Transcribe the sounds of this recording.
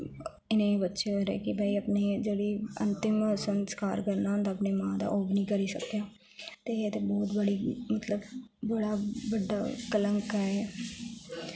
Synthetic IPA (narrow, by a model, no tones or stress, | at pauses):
ɪnẽːiːbətːʃeːɾɛ̰ːkɪbaːiːəpneːd͡ʒeːɽiːə̰̃nt̪ɪmsənskaːɾkəɾnaːɦə̃nd̪aəpneːmãːd̪a̰ːʔoːbnĩːkəɾiːsəkjaː | t̪eːet̪ebɔːt̪bəɽiːmət̪ləbbəɽaːbəɖːa̰ːkələŋkɛɛː